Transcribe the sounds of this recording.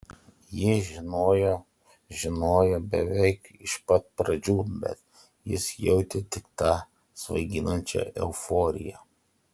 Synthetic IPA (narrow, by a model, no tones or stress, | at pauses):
jɪʒʲɪnoːjoː | ʒʲɪnoːjobʲɛʋʲɛɪkɪʃpɐt̪̚pɾɐd͡ʒʲuːbʲɛ̰t̪ | jɪsjɛʊt̪ʲɛt̪ʲɪkt̪ɑ | sʋɐ̰ɪɡʲɪnɐnʲt͡ʃʲɛ̰ʔɛʊfoːɾʲɪ̰jɛ̰